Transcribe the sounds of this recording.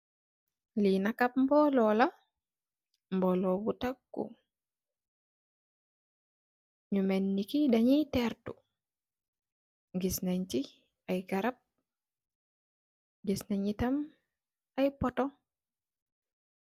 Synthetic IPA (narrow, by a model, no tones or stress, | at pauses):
linakap̚mbɔlɔla | mbɔlɔbutakːṵ | ɲumɛnːikidaɲitɛɾtṵ | ŋɡisnaɲti | ajɡaɾap̚ | ɡisnaɲitam | ajpɔtɔ